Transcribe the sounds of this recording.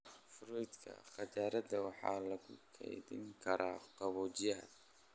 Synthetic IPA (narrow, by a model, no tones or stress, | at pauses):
fɾɔjd̪kʰɐ̰χɑt͡ʃaːɾɐd̪ɐwɑħɑ̰ːlɐɣʊkʰɛ̰jðɪ̰ŋkʰɐɾʔaːqɑβɔːt͡ʃɪjaːd̪